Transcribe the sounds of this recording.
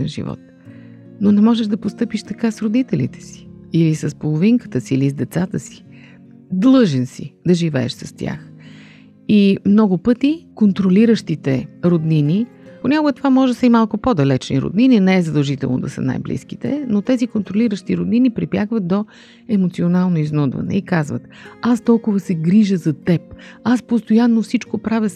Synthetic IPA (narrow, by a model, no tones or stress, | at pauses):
ɛnʒḭvɔ̰t̪ | nonɛmɔʒɛʒd̪ɐpost̪ɤpiʃt̪ɐkasɾod̪it̪ɛlḭt̪ɛ̥si̥ilisəspolˠoʊviŋkə̥t̪əsiːlizd̪ɛt̪sat̪əsi̥ | d̪lˠɤʒɛnsḭd̪ɐʒivɛ̰ɛ̰ʃsɐst̪ʲa̰x | imnɔɡʊpɤt̪ikont̪ɾoliɾəʃt̪it̪ɛɾod̪nini | ponʲakʊɡɛt̪ovamɔʒsəimalˠkʊpod̪ɐlɛt͡ʃniɾo̰d̪nininɛɛzəd̪əlˠʒit̪ɛlˠno̰d̪ɐ̰sə̰na̰jblḭsk̟it̪ɛ̰not̪ɛzikont̪ɾoliɾəʃt̪iɾod̪ninipɾipjakvət̪̚d̪o | ɛmot̪sionalˠnoiznud̪vɐ̰nɛ̰ikazvə̰t̪ast̪ɔlˠkʊvəsɛɡɾiʒəzɐt̪ɛp̚aspost̪ojanːofsit͡ʃkopɾavʲə